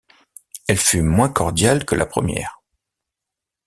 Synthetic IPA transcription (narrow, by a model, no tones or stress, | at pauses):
ɛlfymwɛ̃kɔʁd̪jalkəlʔa̰pχəmjɛ̰ːʁ